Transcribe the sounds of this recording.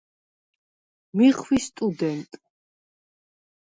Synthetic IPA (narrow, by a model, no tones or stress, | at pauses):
miχwist̪ʼud̪ɛnt̪ʼ